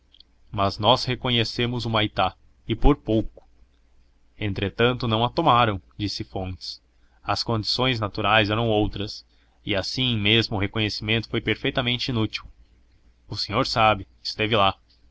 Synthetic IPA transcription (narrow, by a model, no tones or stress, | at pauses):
mɐznɔshekõɲesemʊzʊmajt̪a | ɪpoɾpowkʊ̥ | ẽnt̪ɾet̪ɐ̃nt̪ʊnɐ̃w̃at̪omaɾɐ̃w̃d͡ʒisɪfõnt͡ʃɪ̥s | ɐskõnd͡ʒi̥sõj̃znat̪uɾajzɛɾɐ̃w̃owt̪ɾɐs | ɪasĩmezmʊːɦekõɲesimẽnt̪ʊ̥fojpeɾfejt̪ɐmẽnt͡ʃɪinut͡ʃiw | ʊsẽɲoɾsabɪ | ɪst̪evɪla